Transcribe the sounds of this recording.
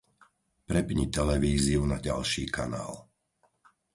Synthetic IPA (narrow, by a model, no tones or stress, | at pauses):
pɾɛpɲit̪ɛlɛʋiːziunaɟa̰lʃiːkʰa̰na̰ːl